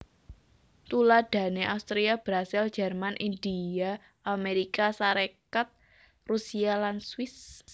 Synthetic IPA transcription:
t̪ulad̪̥ä̤neʔawst̪ɾiab̥ɾasild͡ʒɛrmanʔindia | ʔameɾikasaɾekat̪̚ | rusialanswɪs

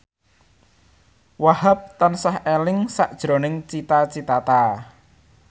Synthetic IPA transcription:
wahap̚t̪ansahelɪŋsaʔd̥ʒ̥ɾonɪŋt͡ʃit̪at͡ʃit̪at̪a

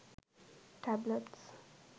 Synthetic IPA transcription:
ʈʰæbləʈs

